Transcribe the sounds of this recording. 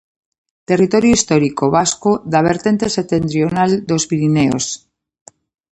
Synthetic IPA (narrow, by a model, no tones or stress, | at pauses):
t̪e̞rit̪o̞ɾjoist̪oɾikoβaskoðaβ̞eɾt̪e̞nt̪e̞set̪ent̪ɾionald̪o̞spiɾineo̰s